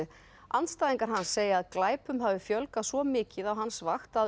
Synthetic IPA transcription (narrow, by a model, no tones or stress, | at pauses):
ɪ | anst̪aːjðiŋkaɾ̥ɦanːsːeːjɪaðklaːjpʏmɦavɪfjœlkasvɔmɪːcɪðawɦansvaxt̪að